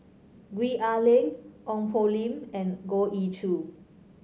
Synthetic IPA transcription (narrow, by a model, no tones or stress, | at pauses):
ɡwiʔalẽŋʔɔ̃ŋfolĩmɛ̃nɡoʔitʰu